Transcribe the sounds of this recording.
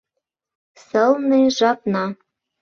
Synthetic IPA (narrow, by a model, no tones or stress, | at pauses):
sɤ̆lˠnɤʒɑpnɑ